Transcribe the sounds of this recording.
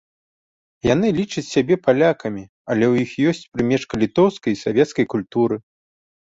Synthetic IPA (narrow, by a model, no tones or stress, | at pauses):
jan̪ɨlʲit͡ʂɐt͡sʲsʲabʲɛpalʲakɐmʲi | ɐlʲɛwjixjɔsʲt͡sʲpɾɨmʲɛʂkɐlʲit̪ɔwskɐjsavʲɛt̪skɐjkulʲt̪uɾɨ